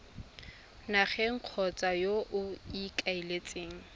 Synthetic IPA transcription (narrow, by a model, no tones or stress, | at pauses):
naχɛŋ̩q͡χʰɔt͡sʼajoʔʊikʼailet͡sʼeːŋ̩